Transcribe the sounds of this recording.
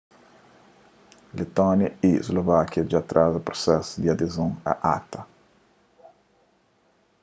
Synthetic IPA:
let̪ɔnjɐizlovakjɐd͡ʒat̪ɾazapɾosɛsʊd̪iad̪ezõŋa̰ʔa̰t̪ɐ

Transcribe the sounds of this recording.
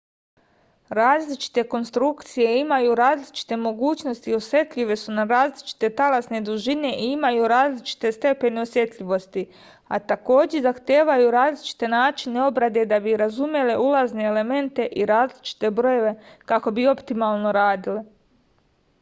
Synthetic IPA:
ɾaːzlit͡ʃi̥t̪e̞ko̞nst̪ɾukt̪sije̞imajuɾaːzlit͡ʃi̥t̪e̞mo̞ɡuːt͡ʃno̞st̪io̞sje̞t̪ʎʲiʋe̞sunaɾaːzlit͡ʃi̥t̪e̞t̪alasne̞d̪uʒine̞ʔiimajuɾaːzlit͡ʃi̥t̪e̞st̪e̞pe̞neo̞sje̞t̪ʎʲiʋo̞st̪i | a̰t̪ako̞ːd͡ʑezaxt̪je̞ːʋajuɾaːzlit͡ʃi̥t̪e̞naːt͡ʃine̞o̞bɾad̪e̞d̪abiɾazumje̞le̞ʔulazne̞ːle̞me̞nt̪e̞ʔiɾaːzlit͡ʃi̥t̪e̞bɾo̞je̞ʋe̞kako̞bio̞pt̪imalˠno̞ɾaːd̪ile

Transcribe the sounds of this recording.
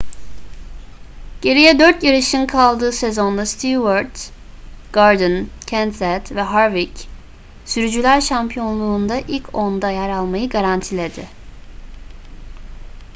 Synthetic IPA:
ɟ̥e̞ɾijɛd̪øɾt̪jaɾɯʃimkʰalˠd̪ɯːsezo̞nld̪ˠast̪ʰivaɾd̪ | ɡ̥aɾd̪ɯncʰænsɛt̪vɛɦaɾvic | syɾyd͡ʒylʲæɾʃampʰijo̞nlˠuːnd̪aʔilʲcʰo̞nd̪ajaɾalˠmajɯɡaɾant̪ʰilʲe̞d̪ɪ̰

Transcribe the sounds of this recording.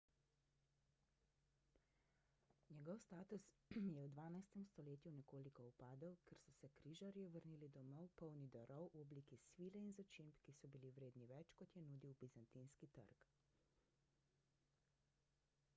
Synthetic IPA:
njɛɡɔwst̪aːt̪us | jɛwd̪ʋaːnajst̪ɛmst̪ɔleːt̪junɛkoːlikɔupaːd̪ɔwkʰɛɾsɔsɛkɾiːʒaɾjuʋəɾniːlid̪ɔmɔwpɔwnid̪ɔɾɔwʔɔblikisʋiːlɛinzɔt͡ʃimpkisɔbiliwɾeːd̪niʋɛt͡ʃkɔt̪jɛnuːd̪iwbizant̪inskit̪ə̰ɾk

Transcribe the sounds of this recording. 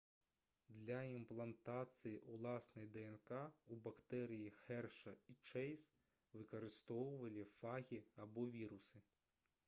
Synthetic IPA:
d̪lʲɐimplˠɐnt̪at̪sɨjiʔulˠasnɐjd̪ɛɛnkaubakt̪ɛɾɨjixɛrʂɐit͡ʂɛjs | vɨkɐɾɨst̪ɔwvɐlʲifaɣʲiabɔvʲiɾusɨ

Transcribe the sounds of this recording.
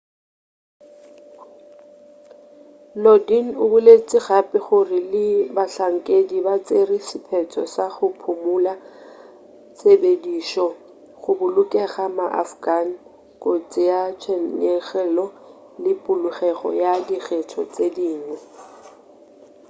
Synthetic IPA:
lɔdin̩ʊbʊlet͡sʼɪɣapʼɪχʊrɪlɪbaɬaŋ̩kʼedibat͡sʼerisɪpʰɛt͡sʰɔsaχʊpʰʊmʊla | t͡sʼebediʃɔ | χʊbʊlʊkʼɛɣamaʔa̰fɡan̩ | kʼot͡sʼɪjat͡ʃʰɛɛχɛlɔ | lɪpʼʊlʊχɛɣɔ̰jadiɣɛtʰɔ̰t͡sʼediːŋwɛ

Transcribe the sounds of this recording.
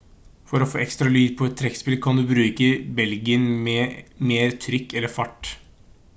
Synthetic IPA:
fɔɾɔfoːɛkst̪ɾɑlyːd̪̚pʰɔɛt̪ʰːɾɛkspɪlkʰɑnd̪ʉbɾʉːkəbɛlɡɪənmɛmeːɾt̪ʰɾʏkːɛlːəfɑʈː

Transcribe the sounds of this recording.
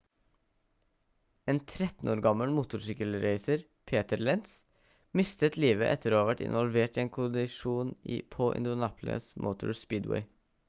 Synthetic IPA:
eːnt̪ʰɾɛt̪n̩oːɾɡɑməlmuːt̪ʊɾsyːkəlɾeɪsəɾ | pʰeːt̪əɾlɛnt̪s | mɪst̪ət̪liːʋəʔɛt̪ʰːəɾoːɑːʋæʈɪ̰nʋɔlʋeːʈiːeːnkʰʊd̪ɪʃuːnḭːpʰoːʔɪ̰nd̪ʊnɑːpʰlə̰smʔo̰ʊt̪ʰʊ̰ɹspiːd̪wɛ̰ɪ

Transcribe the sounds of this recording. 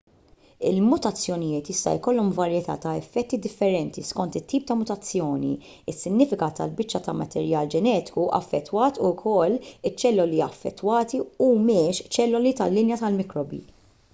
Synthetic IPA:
ɪ̰lmʊt̪ɐt͡sːjɔnɪjɪːt̪jɪst̪ɐ̰jkɔlːɔmvɐɾjɛt̪ɐ̰ːt̪ɐɛfːɛt̪ːid̪ɪfːɛɾɛnt̪iskɔnt̪ɪt̪ːiːp̚t̪ɐmʊt̪ɐt͡sːjɔːnḭ | ɪsːɪnːɪːfɪkɐt̪ɐ̰lbɪt͡ʃːɐt̪ɐmɐt̪ɛɾjɐːld͡ʒɛnɛːt̪ɪ̥kuʔɐ̰fːɛt̪ːwɐːt̪ukʰɔlːɪt͡ʃːɛlːʊliɐfːɛ̰t̪ːwɐːt̪iumɪʃt͡ʃɛlːʊlit̪ɐlːɪnjɐt̪ɐlmɪkɾɔbḭː

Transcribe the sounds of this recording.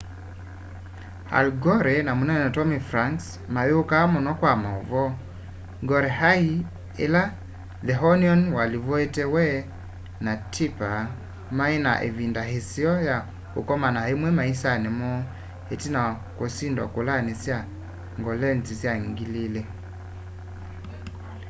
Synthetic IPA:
ha̰lɡɔɾɛnamonɛnɛtɔmifɾaŋks | maβeokamɔnɔkwamaovɔ | ɡɔɾɛɦai | ḛla | ðɛɦɔniɔnwalivɔetɛwɛ | natʰipa | maina̰ʔḛvindaɦesiɔja | o̰kɔmanaemwɛmaisanemɔ | hetina | kosindwa̰kolanesja | ŋɡɔlɛnzisjaŋɡilile

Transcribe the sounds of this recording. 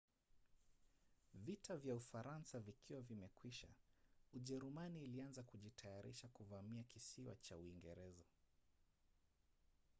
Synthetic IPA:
vitavjaufaɾansavikʰiwavimɛkwiʃa̰uʄɛɾumaniːlianzakuʄitʰajaɾʔḭʃakuvamiakisiwa̰t͡ʃauiŋɡɛɾɛza

